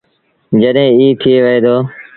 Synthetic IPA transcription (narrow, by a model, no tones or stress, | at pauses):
d͡ʒəɗɦẽːiːt̪ʰieːʋəɦeːd̪oː